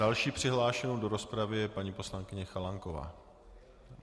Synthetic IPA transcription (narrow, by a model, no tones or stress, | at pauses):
alʃiːpr̝̥ɪɦlaːʃɛnowdo̞ɾo̞spɾavɪjɛpaɲiːpo̞slaŋkɪɲɛxalaŋkova̰ː